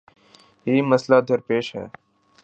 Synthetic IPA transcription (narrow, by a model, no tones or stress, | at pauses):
ɦiːməslaːd̪ʱəɾpeːʃɦɛ̰ː